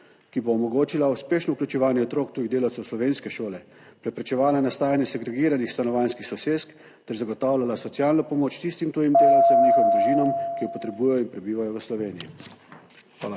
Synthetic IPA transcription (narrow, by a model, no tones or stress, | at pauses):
kiboːmɔɡoːt͡ʃilauspeːʃnɔuklʲut͡ʃɛʋaːnjɛɔt̪ɾoːkt̪uːjiɣd̪eːlawt̪sɛwslɔʋeːnskɛʃoːlɛ | pɾɛpɾɛt͡ʃɛʋaːlanast̪aːjanjɛsɛɡɾɛɡiːɾanixst̪anɔʋaːnskixsɔsesk | t̪ɛɾzaɡɔt̪aːwlʲalasɔt̪sijaːlnɔpɔmoːt͡ʃt̪ist̪imt̪uːjimd̪eːlawt̪sɛmniːxɔʋimd̪ɾuʒiːnɔmkijɔpɔt̪ɾɛbuːjɛjɔinpɾɛbiːʋajɔʋəslɔʋeːniji | xʋaːl